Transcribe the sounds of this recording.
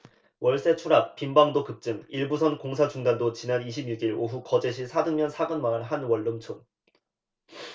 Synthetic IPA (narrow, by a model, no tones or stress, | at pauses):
wʌɭs͈e̞t͡ɕʰuɾap̚p͈imbaŋdokɯp̚t͡ɕ͈ɯŋiɭbusʰʌnkoŋsʰat͡ɕuŋdandot͡ɕinaniɕʰibɲuɡiɭoɦukʌd͡ʑe̞ɕʰisʰadɯŋmjʌnsʰaɡɯnmanɯɭɦanwʌɭːɯmt͡ɕʰon